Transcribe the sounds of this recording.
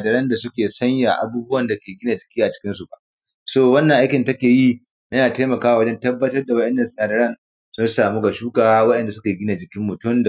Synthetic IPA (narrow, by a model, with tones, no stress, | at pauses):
a˨dɐ˦ɾɐ˦nda˨sʊ˦kʲeː˨sɐ˦ɲja˨ʔa̰˨˦buː˦bʊ˦wɐ˨nda˨kʲeː˨ɡʲɪ˦na˨d͡ʒɪ˨kʲiː˦ʔa˨t͡ʃɪ̥˦kʲɪ˦nsu˨ba˨ʔ | soː˦˨wɐ˦nːɐ˨ʔa˦jkʲɪ˨ntɐ˦kʲeː˨ji˦ | nɐ˦naː˨teː˦mɐ˨kaː˦wa˨wɐ˦d͡ʒɛ˦ntɐ˦bːɐ˦tɐ˦rda˨wɐ˦ɗɛ˨nːɐ˨snaː˨dɐ˦ɾɐ˦n | sʊ˦nsaː˨muː˦ɡa˨ʃuː˦kaː˦wɐ˦ɗɛ˨nda˨sʊ˦kʲeː˨ɡʲɪ˦na˨d͡ʒɪ˨kʲɪ˦mːʊ˨tʊ˦md